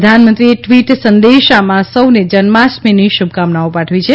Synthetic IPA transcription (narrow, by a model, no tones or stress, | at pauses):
d̪ʱanmənt̪ɾieʈʋiʈsənd̪eʃamãsəwned͡ʒənmasmeniʃub̚ʱkamnaopaʈʰʋit͡ʃʰe